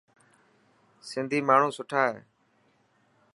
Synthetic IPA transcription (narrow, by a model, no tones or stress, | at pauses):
sɪnd̪ʱiːmaːɳ̤ũːsʊʈʰaːɦḛː